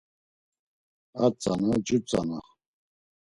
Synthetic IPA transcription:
at͡sʼanad͡ʒut͡sʼa̰na

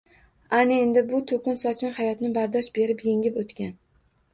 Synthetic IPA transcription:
anɪend̪ɪbʊt̪ʰokʲʊnsɒt͡ʃʰɪnhajɒt̪nɪbaɾd̪ɒʃbe̞ɾɪpje̞ŋʲɪpot̪kʲan

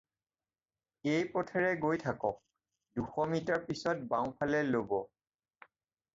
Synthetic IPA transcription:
ejpɔtʰɛɹɛɡojtʰakɔk̚ | duxɔmitaɹpisɔt̚bãw̃pʰalɛlobɔ

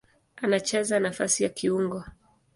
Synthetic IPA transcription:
anat͡ʃɛzanafasijakʰiuŋɡwa

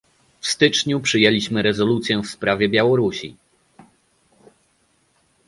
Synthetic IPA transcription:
fst̪ɘt͡ʂɲupʂɘjɛlʲiɕmɘɾɛzɔlut̪sʲjɛfspɾavʲjɛbʲjawɔɾuɕḭ

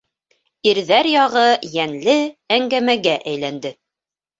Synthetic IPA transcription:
iɾðæɾjɑʁɤjænlɘæŋɡæmæɡæʔæjlænd̪ɘ

